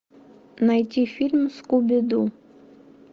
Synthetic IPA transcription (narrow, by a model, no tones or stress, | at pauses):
najt̪ʲifʲilʲmskubʲɪd̪u